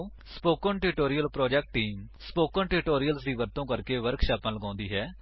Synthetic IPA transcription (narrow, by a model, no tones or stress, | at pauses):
spoːkə̃nʈɪʈoːɾɪjəlpɾɔːd͡ʒɛːk̚ʈːiːmspoːkə̃ːnʈɪʈoːɾijəlsd̪iːʋəɾt̪õːkəɾkeːʋəɾkʃaːpãːləɡãːnd̪iːɦɛː